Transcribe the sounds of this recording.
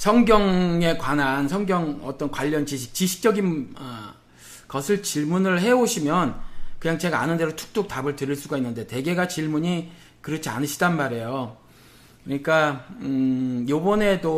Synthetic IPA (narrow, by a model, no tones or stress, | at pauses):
sʰʌŋɡjʌŋe̞kwanansʰʌŋɡjʌŋʌt͈ʌnkwaʎːʌnt͡ɕiɕ̬ʰi̥k̚t͡ɕiɕʰi̥k̚t͡ɕ͈ʌɡinʌ | kʌsʰɯɭt͡ɕiɭmunɯɭɦe̞oɕʰimjʌnkɯɲaŋt͡ɕe̞ɡa̰ːnɯnde̞ɾotʰu̥k̚t͈uk̚tabɯɭtɯɾiɭs͈uɡainːɯnde̞te̞ɡe̞ɡat͡ɕiɭmuɲi | kɯɾʌt͡ɕʰia̰nɯɕʰi̥danmaɾe̞jo | kɯɲik͈a | jobʌne̞do